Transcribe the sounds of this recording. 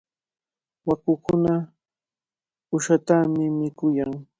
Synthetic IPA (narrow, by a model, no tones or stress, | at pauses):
wakʊkʊna | ʊʃat̪amɪmɪkʊjaŋ